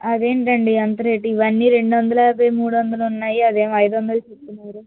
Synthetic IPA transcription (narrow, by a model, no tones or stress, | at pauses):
ɐd̪e̞ːɳʈɐɳɖiɐnt̪ɐɾe̞ːʈiːʋɐnːiːɾe̞ɳɖuʋɐnd̪ɐlɐbɐjmuːɽuʋɐnd̪ɐlɐunːaːjiɐd̪eːmɐjd̪ʋɐnd̪ɐlɐt͡ʃep̪ːunːɐːɾu